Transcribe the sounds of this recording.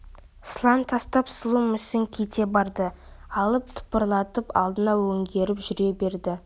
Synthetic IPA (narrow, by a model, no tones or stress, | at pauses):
slˠɑnt̪ʰɑst̪ɑpsəlˠumʏsɪŋkʲʰet̪e̞bɑɾd̪ə | ɑlˠəp̚t̪ʰʊ̥pəɾlˠɑt̪əpɑ̰lˠd̪ənɑwɵŋɡʲe̞ɾɪpʒʏɾe̞be̞ɾd̪ɪ